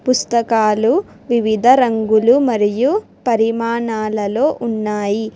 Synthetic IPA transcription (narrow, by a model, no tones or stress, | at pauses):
pust̪ɐkaːlu | ʋiʋid̪ʱɐɾɐŋɡulumɐɾiju | pɐɾimaːɳaːlɐlo̞ːʔunːaːji